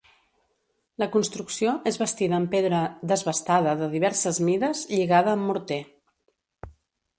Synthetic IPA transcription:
ləkunst̪ɾuksioʔezβəst̪iðəːmpeðɾəðəzβəst̪aðəðəðiβɛɾsəzmiðəzʎiɣaðəːmːuɾt̪e

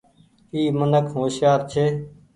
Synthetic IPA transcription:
iːmənəkʰɦoːsjaːɾt͡ʃʰeː

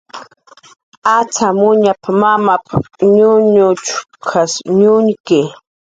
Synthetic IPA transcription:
at͡samʊɲapamamapaɲʊɲʊt͡ʃʊ | kʰasɲʊŋkɪ

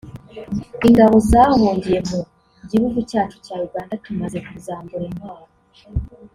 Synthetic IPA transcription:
iŋɡaβo̞zaːhoːmbije̞mu | ɟihuɡucaːt͡ʃu̥caːɾuɡaːndatumaze̞kuzaːmbuɾemaːɾo

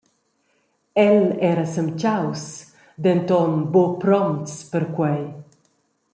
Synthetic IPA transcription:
ɛlɛɾasəmt͡ʃaws | d̪ent̪ɔnbopɾɔmt̪spəɾkwɛj

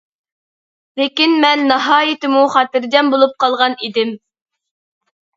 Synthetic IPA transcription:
lekʲinmɛnːɑɦɑːjɪt̪ɪmuχɑːt̪ɪɾd͡ʒʲɛmbolˠup̚qʰɑlˠʁɑnid̪ɪm

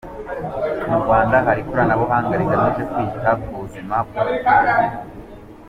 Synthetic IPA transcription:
muɾɡwaːndaɦaɾikoɾanaβoɦaːŋɡaɾizamookwiːɟihaɡuzimabɡo

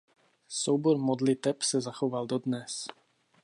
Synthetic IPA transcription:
sɔʊbɔɾmɔd̪lit̪ɛpsazaxɔʋalˠd̪ɔd̪ɲɛs

